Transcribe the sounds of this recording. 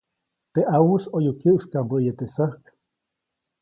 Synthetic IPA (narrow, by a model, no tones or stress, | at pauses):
t̪eʔawusojukjəʔskambəʔjet̪esahk